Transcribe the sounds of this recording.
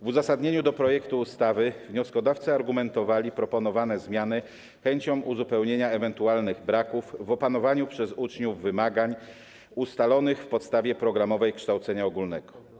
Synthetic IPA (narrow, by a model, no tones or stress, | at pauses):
vuzasad̪ɲeɲud̪ɔpɾɔjɛkt̪uːst̪avɘvɲɔskɔd̪aft̪sɨaɾɡumɛnt̪ɔvalʲipɾɔpɔnɔvanɛzmʲjanɘ | xɛɲt͡ɕɔ̃w̃ʔuzupɛwɲeɲaɛvɛnt̪ualnɘɣbɾakufːɔpanɔvaɲupʂɛzut͡ʂɲuvːɘmaɡaɲ | ust̪alɔnɘxfpɔt̪st̪avʲjɛpɾɔɡɾamɔvɛjkʂt̪awt̪sɛɲaɔɡulnɛɡɔ̥